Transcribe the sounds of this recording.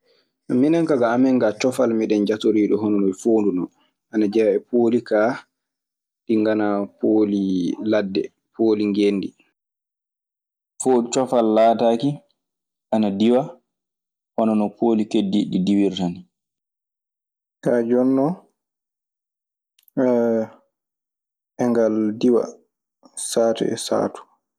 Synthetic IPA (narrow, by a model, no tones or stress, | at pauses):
ʔaminaŋkaɡaːmɛŋɡat͡ʃɔfalmiɗɛnd͡ʒatoɾiːɗɔɦɔnɔnɔjfoːndunɔ | ʔanad͡ʒɛʔɛpʰoːlikaː | ɗiŋɡanapoliladːɛ̰ | poːliŋɡenːdi | foːdut͡ʃɔfalːaːtaːki | ʔanadiwa | hɔnɔnɔpʰoːlikedːiɗidiwiɾtani | kaːd͡ʒɔnːɔ | ɛŋɡaldiwa̰ | saːtṵɛ̰sa̰ːtu̥